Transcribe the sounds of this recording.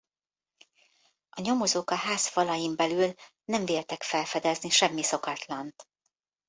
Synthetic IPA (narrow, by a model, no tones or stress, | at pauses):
ʔɒɲo̞mo̞zoːkɒɦaːsfɒlɒjimbɛlyl | nɛɱveːlt̪ɛkfɛlfɛd̪ɛzniʃɛmːiso̞kɒt̪lɒnt̪